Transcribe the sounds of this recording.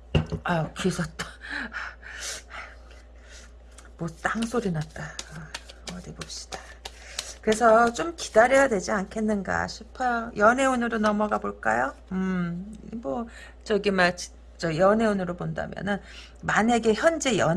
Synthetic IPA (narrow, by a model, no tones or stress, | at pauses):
akisʰʌt͈a | mwʌt͈aŋsʰoɾinat̚t͈a | ʌɾebop̚ɕ͈i̥d̥a | kɯɾe̞sʰʌt͡ɕ͈omki̥d̥aɾʌjadwe̞d͡ʑiankʰe̞nːɯnɡa̰ɕʰipʰʌjʌne̞unɯɾonʌmʌɡaboɭk͈ajo | ɯ | mʌ | t͡ɕʌɡimaɭt͡ɕi̥ | t͡ɕ͈ʌjʌne̞unɯɾobonda̰mjʌ̰nɯn | mane̞ɡe̞çjʌnd͡ʑe̞jʌ